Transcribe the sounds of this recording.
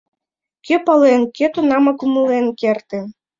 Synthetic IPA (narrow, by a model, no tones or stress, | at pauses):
kepɑlˠenket̪onɑmɑkumɤlˠenkert̪ĕ